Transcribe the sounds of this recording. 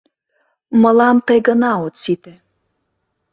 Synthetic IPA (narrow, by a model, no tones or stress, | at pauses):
mə̆lɑmt̪əjɣənɑot̪sit̪ĕ